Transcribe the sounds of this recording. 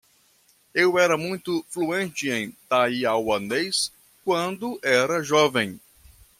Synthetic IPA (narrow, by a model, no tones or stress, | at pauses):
ewɛɾɐmũj̃t̪ʊfluẽnt͡ʃɪẽj̃t̪aiawɐ̃nd̪ejs | kwɐ̃nd̪ʊʔɛɾɐʒɔvẽj̃